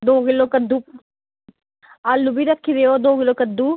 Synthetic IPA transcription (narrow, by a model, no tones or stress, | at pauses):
d̪oːɡɪlːoːkəd̪ːuː | alːubiːɾəkʰːid̪eːoːd̪oːɡɪloːkəd̪ːuː